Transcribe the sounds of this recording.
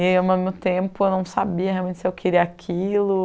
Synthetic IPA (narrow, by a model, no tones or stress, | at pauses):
emɐ̃mewt̪ẽpʊewnɐ̃w̃sabiɐheawmẽnt͡ʃɪsɪewkʰeɾiɐakʰilʊ